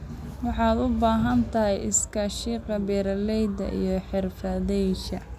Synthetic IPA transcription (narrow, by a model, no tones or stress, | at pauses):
wɑħɑːd̪ʊbaːɦɐnt̪ʰɐɦɛjɪ̰skʰɐʃiːqɐbɛːɾɐlɛjd̪ɐ̰ʔḭjɞħɪrfɐðɛjʃɐ̰